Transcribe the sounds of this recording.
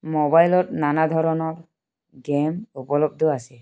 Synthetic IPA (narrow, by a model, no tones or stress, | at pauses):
mɔbajlɔtnanad̪ʱɔɹɔnɔɹ | ɡɛmupɔlɔb̚d̪ʱɔasɛ